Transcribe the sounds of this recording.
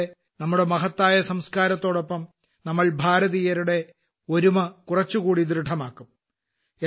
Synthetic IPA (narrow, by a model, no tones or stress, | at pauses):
e | nɐmːuɽe̞mɐɦɐt̪ːaːjɐsɐmskaːɾɐt̪ːo̞ːɽo̞pːɐm | nɐmːɐɭbʱaːɾɐðijɐɾuɽe̞ | o̞ɾumɐkurɐt͡ɕːukuːɽid̪ɾɨʈʰɐmaːkːum | e